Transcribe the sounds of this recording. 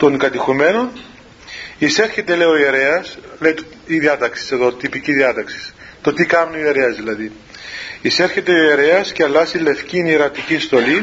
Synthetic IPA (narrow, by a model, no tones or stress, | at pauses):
t̪oŋɡɐt̪ixume̞non | ise̞ɾçe̞t̪ele̞oieɾeɐsle̞jt̪ | iðiɐt̪ɐksi̥se̞ðo̞t̪ipiciðiɐt̪ɐksi̥s | t̪ot̪ikɐmnuie̞ɾeɐzðilɐði | ise̞ɾçe̞t̪eoeɾeɐsceɐlːɐsile̞fciniɾɐt̪icinst̪o̞li